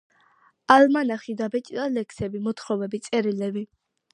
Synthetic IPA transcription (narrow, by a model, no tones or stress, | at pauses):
almanaχid̪abɛt͡ʃ̪ʼid̪alɛkʰsɛbimɔt̪ʰχɾɔvɛbit̪sʼɛɾilɛbi